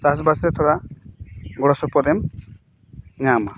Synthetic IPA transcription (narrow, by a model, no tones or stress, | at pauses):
sas̬basɾɛt̪ʰɔɽa | ɡɔɽasɔpɔd̪ɛm | ɲama